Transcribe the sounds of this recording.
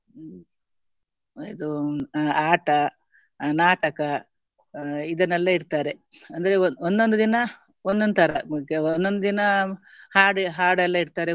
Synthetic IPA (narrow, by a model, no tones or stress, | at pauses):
id̪u | aːʈɐ | naːʈɐkɐ | id̪ɐnɛlːɐiɽt̪aːɾe̞ | ɐnd̪ɐɾeond̪ond̪ud̪inɐ | ond̪ond̪ut̪ʰɐɾɐkeond̪o̞nd̪ud̪inɐ | haːɖɦaːɖɛlːɐiɽt̪aːɾe